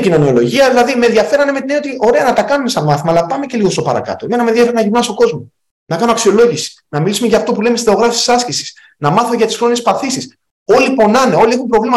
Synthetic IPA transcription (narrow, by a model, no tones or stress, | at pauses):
cino̞nio̞lo̞ʝiɐðilɐðimeðjɐfe̞ɾɐnemet̪ineniot̪iʔo̞ɾe̞ɐnɐt̪ɐkɐnume̞sɐnmɐθimɐlɐpɐme̞ce̞liɣo̞st̪o̞pɐɾɐ̰kɐ̰t̪oeme̞nɐmeðjɐfeɾnɐʝiɾnɐst̪o̞ɡo̞zmo | nɐkɐnoɐksio̞lo̞ʝisi̥ | nɐmilisumeʝɐːft̪o̞pule̞mst̪i̥sθeo̞ɣɾɐfisi̥sɐscisi̥s | nɐmɐθoʝɐt̪i̥sxɾo̞nie̞spɐθisis | o̞lipo̞nɐneo̞lie̞xumpɾo̞vlimɐ